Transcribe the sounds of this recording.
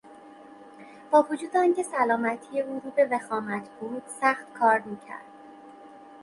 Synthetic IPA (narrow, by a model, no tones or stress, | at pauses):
b̥ɒːvod͡ʒuːd̪eɒːncʰe̞sælɒːmæt̪ʰijevoɾuːbe̞vexɒːmæt̪ʰbuːd̪̥sæxt̪kʰɒːɾmiːcʰæ̰ɾd̪̥